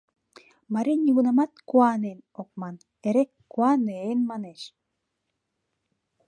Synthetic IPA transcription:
maɾeɲiβunamat̪̚kuanenok̚man | eɾe | kwaneːnmaneʃ

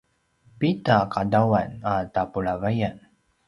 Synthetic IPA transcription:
pitakadawanatapuɭavajan

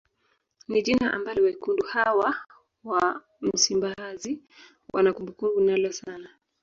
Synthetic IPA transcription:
niʄinaʔa̰mbalɔwaikunduhawa | wa | m̩simbaazi | wʔa̰nakumbukuɾunalɔsana

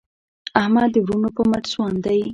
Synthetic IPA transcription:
ahmad̪ːəwɾunopəmaʈswɑnd̪aj

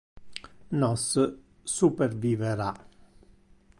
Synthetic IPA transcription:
nɔs | supeɾviveɾa

